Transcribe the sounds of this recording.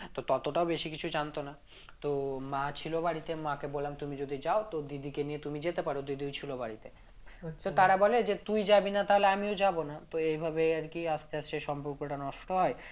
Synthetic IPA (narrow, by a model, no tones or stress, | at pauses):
t̪ot̪ɔt̪oʈaobeʃikit͡ɕʰud͡ʑant̪ona | t̪omat͡ɕʰilobaɽit̪emakebolːamt̪umid͡ʑod̪ʱid͡ʑaot̪od̪id̪ikenijet̪umid͡ʑet̪epaɾod̪id̪ʱiut͡ɕʰilobaɽit̪e | t̪ot̪aɾabɔled͡ʑet̪ujd͡ʑabinat̪aɦoleamiod͡ʑabonat̪oejbʱabeaɾkiast̪easʃeʃɔmpoɾkoʈanɔʃʈoɦɔe